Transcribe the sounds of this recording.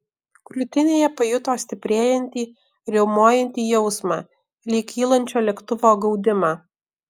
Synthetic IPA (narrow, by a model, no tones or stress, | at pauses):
klʲʊt̪ʲɪnʲeːjɛpɐjʊt̪oːsʲt̪ʲɪpʲɾʲeːjɛnʲt̪ʲiː | ɾʲɛʊmoːjɛnʲt̪ʲiːjɛʊsmɑ̰ː | lʲiːkʲiːlˠɐnʲt͡ʃʲoːlʲɛkt̪ʊʋoːɡɒʊd̪ʲɪmɑː